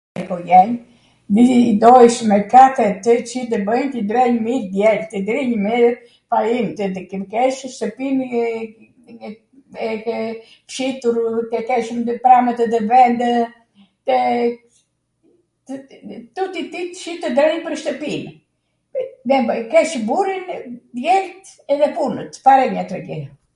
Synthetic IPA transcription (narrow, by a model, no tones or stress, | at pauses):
ɛkɔjɛɲ | d̪id̪ɔɛʃmɛkat̪ət̪ət͡ʃit̪əbəjnt̪id̪ɾɛɲmid̪jɛlt̪id̪ɾiɲmi | pajimt̪əd̪kkɛʃʃt̪əpim | ɛkɛ | fʃit̪uɾkɛkɛʃməpɾamət̪ɛðəvɛnd̪ə | t̪ə | t̪ut̪it̪it̪ʃit̪əd̪ɾɛɲpəɾʃt̪əpin | mɛbkɛʃbuɾind̪jɛɾt̪ɛðɛpunət̪paɾɛmat̪ɾɛɡɛɾ